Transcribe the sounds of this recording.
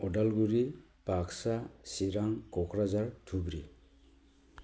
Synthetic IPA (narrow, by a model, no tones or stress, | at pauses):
ɔdalɡuɾi | paksasiɾaŋkɔkʰɾazaɾtʰubɾi